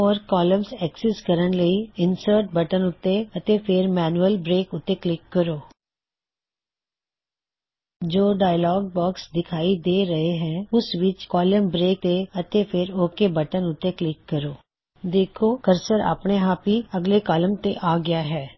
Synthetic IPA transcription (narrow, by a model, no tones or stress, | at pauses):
ɔːɾkɔːləmsɛːksɪskəɾənləiːɪnsəɾʈ̚bəʈənʊt̪ːeət̪epʰɪɾmɛːnuəlbɾeːkʊt̪ːeklɪkːəɾoː | d͡ʒoːɖaːjlɔːɡ̚bɔːksd̪ɪkʰaːid̪eːɾəɦeɦɛ̃ːʊsʋɪt͡ʃkɔːləmbɾeːk̚t̪eət̪epʰɪɾoːkebəʈənʊt̪ːeklɪkːəɾoː | d̪eːkʰoːkəɾsəɾa̰ːpɳeɦaːpiəɡleːkaːləmt̪eʔaːɡɪjaːɦɛː